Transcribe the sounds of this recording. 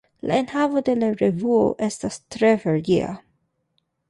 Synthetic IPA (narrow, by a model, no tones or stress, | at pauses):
la̰enhavo̞de̞laɾevuo̰ʔestastɾefeɾɡia̰